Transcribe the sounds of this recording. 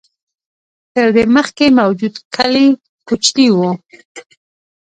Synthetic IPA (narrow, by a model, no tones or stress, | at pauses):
t̪əɾd̪eməxkemawd͡ʒud̪kʰali | kut͡ʃniwu